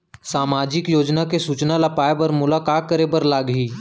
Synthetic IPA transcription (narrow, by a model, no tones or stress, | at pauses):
saːmaːd͡ʒɪkjoːd͡ʒnakesuːt͡ʃnalapaːebəɾmʊlaːkaːt̪̚kəɾebəɾlaːɡɦiː